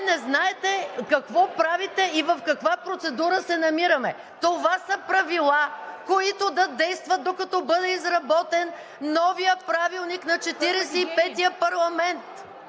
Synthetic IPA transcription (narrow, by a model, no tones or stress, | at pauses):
nɛznaɛt̪ɛkɐkvɔpɾavit̪ɛivɐfkɐkvapɾot̪sɛd̪uɾəsɛnɐmiɾɐmɛ | t̪ovasɐpɾɐvilˠakoit̪od̪ɐd̪ɛjst̪vɐt̪̚d̪okɐt̪ɔbɤd̪ɛizɾɐbɔt̪ɛnː | ɔvijəpɾavilˠniknɐt͡ʃɛt̪iɾɛsɛipɛt̪ijəpɐɾlˠɐmɛnt̪